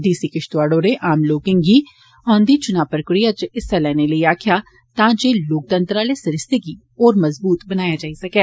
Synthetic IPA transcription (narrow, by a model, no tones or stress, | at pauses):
d̪iːsikɪʃt̪ʋaːɽoːɾeʔaːmloːkɪ̃ŋɡiː | ɔ̃ːnd̪iːt͡ʃʊnaːʋpɾəkɾijat͡ʃɪsːalɛːneləiaːkʰjaː | t̪ãːd͡ʒeːloːk̚t̪ə̃nt̪ɾaːleːsɐɾɪst̪eɡiː | ɔːɾmɐzbuːt̪bənaːjad͡ʒaːisɐkɛː